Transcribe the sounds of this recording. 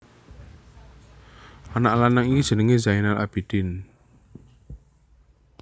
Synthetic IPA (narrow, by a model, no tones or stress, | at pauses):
anaʔlanaŋikid̥ʒ̥ənəŋezainala̰b̥id̪̥ɪn